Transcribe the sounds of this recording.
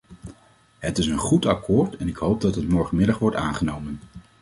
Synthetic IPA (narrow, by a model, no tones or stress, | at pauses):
ɦətɪsənχutɑkʰʊːɹtɛnɪkɦowp̚dɑtɦətmɔɹχənmɪdɑχʋɔɹta̰ːnχənowmən